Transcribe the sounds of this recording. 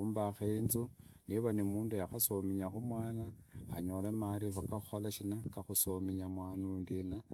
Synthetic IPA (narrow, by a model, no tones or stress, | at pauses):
uːmbaxeinzuniβanimuːndujaxasomiɲaxumwaːnaːɲolemaɾifakaxu̥xolaʃinakaxusomiɲamwaːnundina